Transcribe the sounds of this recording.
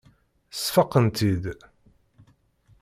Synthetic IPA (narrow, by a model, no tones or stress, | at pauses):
sfɑqːənt̪id̪